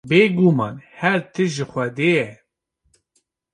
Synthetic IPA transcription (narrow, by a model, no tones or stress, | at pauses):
beːɡumɑ̰ːnhɛɾt̪ʰɨʒɪxʷɛd̪eːjɛ